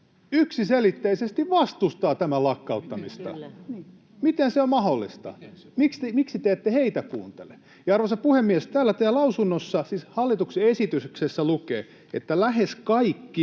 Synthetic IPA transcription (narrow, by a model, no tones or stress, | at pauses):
yksiselit̪ːeisest̪iʋʋɑst̪ust̪ɑːt̪æmælɑkːɑut̪ːɑmist̪ɑ̰ | mit̪enseommɑholːḭst̪ɑ̰ | mikst̪miksit̪eet̪ːeheit̪ækṵːnt̪ḛle | jɑɑrʋosɑpuhemːiest̪æːlːæt̪æːlɑusunːosːɑsiːshɑlːit̪ukseesit̪ysksesːælukḛː | ḛt̪ːælæheskɑikːi